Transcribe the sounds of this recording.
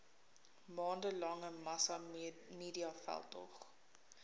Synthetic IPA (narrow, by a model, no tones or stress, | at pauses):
mɑːndəlɐŋəmɐsɑmiːdiɑfæ̰lˠtɔ̰χ